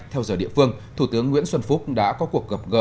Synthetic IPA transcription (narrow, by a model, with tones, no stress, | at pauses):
t̪ʰɛ˧wzəː˨˩ɗḭ˧˨əfɨ˧əŋt̪ʰu˧˩t̪ɨ˨˦əŋːwḭ˧˥ənswə˧nfu˦˥k͡p̚ɗa̰ː˧˥kɔ˨˦ku˨˩ək̚ɣə˨˩p̚ɣəː˨˩